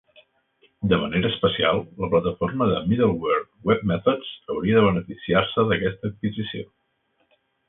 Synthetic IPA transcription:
d̪əməneɾəːspəsia̰lˠləplət̪əforməðə̰miðəlˠwɛɾt̪wɛb̚mɛθoz̥əwɾiəðəβənəfisiarsəðəkɛst̪əːt̪̚kizisio̰

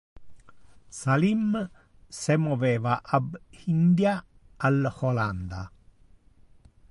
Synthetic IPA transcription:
salim | semoʋeʋaʔabhind̪jaː | lholand̪a̰

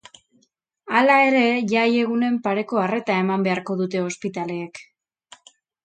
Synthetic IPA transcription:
alae̞ɾe̞ʝaje̞ɣ̞une̞mpaɾe̞ko̞are̞t̪ae̞mambe̞aɾko̞ðut̪e̞o̞spit̪ale̞ːk

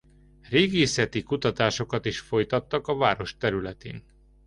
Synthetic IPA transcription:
reːɡeːsɛt̪ikut̪ɒt̪aːʃo̞kɒt̪iʃfo̞jt̪ɒt̪ːɒkɒvaːɾo̞ʃt̪ɛɾylɛt̪ḛːn

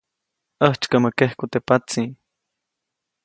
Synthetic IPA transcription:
əht͡ʃkaməkehkut̪epat͡sĩ

